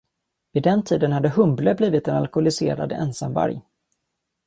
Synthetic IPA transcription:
vɪd̪ɛnt̪ʰiːd̪ənhad̪ːəɦɵmbləbliːvɪt̪ɛnalkʊlɪsḛːɾa̰d̪ɛ̰nsamva̰ɾj

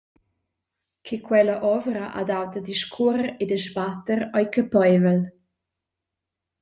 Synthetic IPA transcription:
kʰikwɛləʔɔvəɾəʔa̰d̪awt̪əd̪iʃkʰuɾəɾed̪əʃbat̪əɾɔjkəpɔjvəl

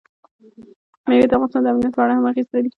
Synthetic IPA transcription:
mewed̪afɣɑnɪst̪ɑnd̪əamnijat̪̚pɑɑɽahamaxist̪ad̪i

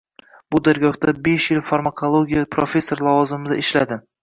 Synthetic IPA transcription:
b̥ʊd̪aɾɡɒhd̪abeʃjɪlfaɾmakʰolˠoɡʲijapʰɾofʲe̞sːo̞ɾlˠɒvɒzɪmɪd̪aɪʃlad̪ɪ

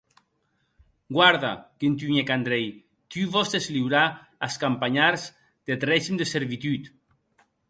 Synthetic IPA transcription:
ɡwaɾða̰kent̪̬yɲekand̪ɾɛj | t̪yβɔst̪ezliwɾa | askampaɲaɾz | d̪̥et̪rɛʒimd̪eseɾβit̪yt̪

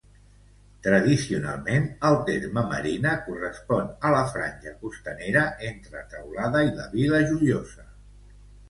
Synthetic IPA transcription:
t̪ɾəðisiuna̰lˠmenəlˠt̪eɾməmə̰ɾinəkurəspɔnələfɾa̰nʲʒəkust̪əneɾəʔent̪ɾət̪əwlaðəilə̰βiləʒuliozə

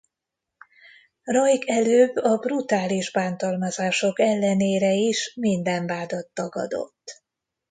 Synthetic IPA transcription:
rojkʰɛløːbːɒbrut̪aːliʒbaːnt̪ɒlmɒzaːʃo̞kɛlːɛneːɾɛiʃmind̪ɛɱbaːd̪ɒt̪ːɒɡɒ̰d̪o̞̰t̪ː

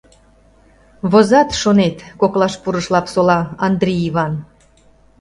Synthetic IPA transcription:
βozɑt̪ʃonet̪koklɑʃpuɾəʃlɑpsolɑɑnd̪ɾʲiiβɑn

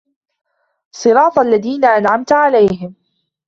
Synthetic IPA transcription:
sˤɨɾɑːt̪ˤalːaðiːnaʔanʕamt̪ʕalajɦɪm

